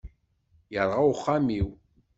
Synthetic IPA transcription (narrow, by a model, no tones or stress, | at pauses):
jəɾˤʁawχːamiw